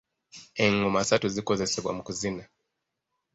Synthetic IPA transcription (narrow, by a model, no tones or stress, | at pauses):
eŋomasatuzikozeseβwa̰mukuzina